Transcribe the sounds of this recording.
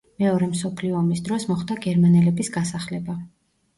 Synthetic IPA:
mɛɔɾɛmsɔpʰliɔːmisd̪ɾɔsmɔχd̪aɡɛɾmanɛlɛbisɡasaχlɛba

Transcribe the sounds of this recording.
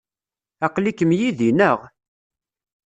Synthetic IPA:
ɑqlikəmjiðinəʁ

